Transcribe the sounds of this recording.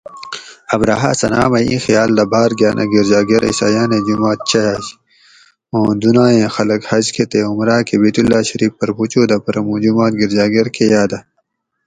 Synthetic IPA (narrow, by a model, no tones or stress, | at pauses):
ɐbɾaːɦa̰ːsɐna̰ːmɐjḭ̃ːxijaːld̪ɐbaːɾɡjaːnʔa̰ɡiɾd͡ʑaːɡɐɾḭsaːjaːned͡ʑumaːt̪̚t͡ɕɐjaːɕ | õːd̪unaːẽːxɐlɐkhɐd͡ʑkʰet̪eumɾaːkebiːt̪ulːaːɕɐɾiːfpːɐɾput͡ɕuːd̪ɐpɐɾɐmud͡ʑumaːt̪̚ɡiɾd͡ʑaːɡɐɾkejaːd̪a